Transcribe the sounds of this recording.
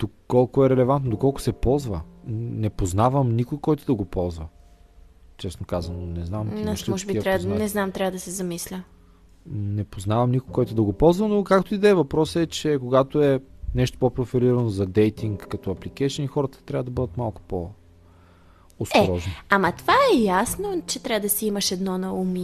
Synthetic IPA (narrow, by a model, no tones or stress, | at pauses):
d̪̥okɔlˠkʊɛɾɛlɛvant̪nod̪okɔlˠkʊ̥sɛpɔlˠzvənɛpoznavəmnikʊjkɔjt̪ʊd̪ɐɡopɔlˠzvɐ | t͡ʃɛsnokazɐnonɛznamnamɔʒɛbiɾʲanɛznamt̪ɾavəd̪ɐsɛzɐmislʲə | nɛpoznavɐmnikojkɔjt̪ʊd̪ɐɡopɔlˠzvɐnokakt̪oid̪ɛːvɐpɾɔsɛt͡ʃɛkoɡat̪oɛnɛʃt̪o̥popɾofɛɾiɾɐnozɐd̪ɛjt̪iŋkːɐt̪ɔɐplikɛʃənixɔɾət̪ə̥t̪ɾʲavəd̪ɐbɤd̪ət̪malˠkʊ̥po | sɛɾɔʒnoamɐt̪vaɛjasnot͡ʃɛt̪ɾʲavəd̪ɐsɛimɐʃɛd̪nɔnɐumi